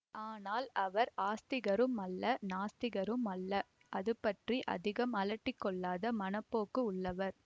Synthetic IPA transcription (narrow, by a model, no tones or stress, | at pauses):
ʔaːnaːlɐʋɐɾaːst̪ɪɣɐɾɯmɐlːɐnaːst̪ɪɣɐɾɯmɐlːɐ | ʔɐðɯpːɐʈriʔɐ̰ðɪɣɐmɐlɐʈːɪkːɔɭːaːðɐmɐnɐpːoːkɯʊɭːɐʋɐɾ